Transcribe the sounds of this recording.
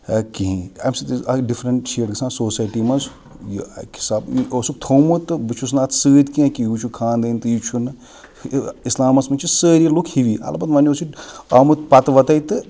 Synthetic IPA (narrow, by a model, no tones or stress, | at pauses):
kiɦĩɐ̰msɐt̪izɐɖifʰɾɐɳʈʃeːɖɡɨsãːnsoːsaːjʈimɐz | jiɐ̰kʰi̥saːbiosuk̚t̪ʰowmut̪ɨbɨt͡ʃʰus̬naːt̪ʰsɨːd̪kiɐ̃kijut͡ʃʰukʰaːnd̪ɐnʲt̪ɨjit͡ʃʰunɨ | islaːmɐsmɐt͡ʃʰisəːɾiɐlukʰhiʋiːɐ̰lɐbɐd̪mɐniosiaːmut̪pɐt̪ʋɐt̪ɐjt̪ɨ